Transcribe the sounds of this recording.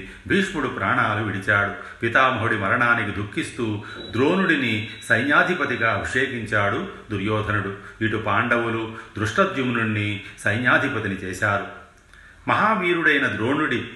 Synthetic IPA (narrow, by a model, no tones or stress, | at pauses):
bʱiːʂmuɽupɾaːɳaːluʋiɽit͡ʃaːɽu | pit̪aːmɐɦoɽimɐɾɐɳaːnikid̪ʱukːist̪uːd̪ɾo̞ːnuɽinisɐjnjaːd̪ʱipɐt̪iɡaːɐbʱiʂeːkiɲt͡ʃaːɽud̪uɾjɔːd̪ʱɐnuɽuiʈupaːɳɖɐwulud̪ɾuʂʈɐd̪jumnuɳːisɐjnjaːd̪ʱipɐt̪init͡ʃɛːʃaːɾu | mɐɦaːʋiːɾuɽɐjnɐd̪ɾoːnuɽi